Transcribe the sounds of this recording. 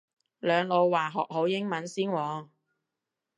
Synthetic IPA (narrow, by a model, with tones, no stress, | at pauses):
lœː˨˧ŋlo˨˧wwaː˨˩ɦɔː˨k̚ho˨˥wjɪ˥ŋmɐ˨˥nsiː˥nwɔː˨˧ŋ